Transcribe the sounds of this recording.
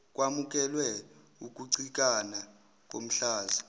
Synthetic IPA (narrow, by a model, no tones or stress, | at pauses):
k̬ʼwamuk̬ʼɛlwɛ | uk̬ʼuǀik̬ʼana | k̬ʼo̰m̩ɬaːzi